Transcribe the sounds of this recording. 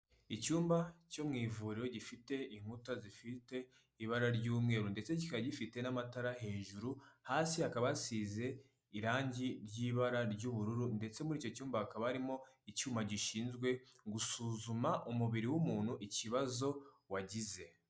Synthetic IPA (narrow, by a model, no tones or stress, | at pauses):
icuːmbaco̞mŋiːvuɾiɾo̞ɟifite̞iŋ̥hutazifite̞ | iβaɾaɾɟuːmŋe̞ːɾunde̞t͡se̞cikaɟifite̞namataɾaɦeːɲʒuɾuhaːsihakaβasiːze̞ | iɾaːɲɟiɾɟiːβaɾaɾɟuβuɾuɾunde̞t͡se̞muɾiːco̞cuːmbahakaβahaɾimo̞icuːmbaɟiʃiːnzɡwe̞ɡusuːzumaʔumuβiɾiwumuːn̥huʔiciβazo̞ | waɟize̞